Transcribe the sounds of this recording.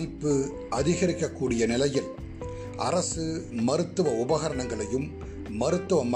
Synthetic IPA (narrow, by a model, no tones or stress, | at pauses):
ɪpːɯ | ɐðɪɣɐɾɪkːɐkːuːɽɪjɐnɪlɐjɪl | ʔɐ̰rɐsɯmɐɾɯt̪ːɯʋɐʊbɐɣɐɾɐɳɐŋɡɐɭɐjɯmː | ɐɾɯt̪ːɯʋɐm